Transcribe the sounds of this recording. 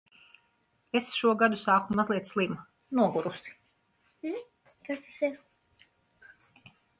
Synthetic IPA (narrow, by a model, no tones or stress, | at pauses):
esʃuɔɡad̪usaːkumazlˠiɛt̪slˠim | nuɔɡuɾusi̥ | kast̪ḁsiɾ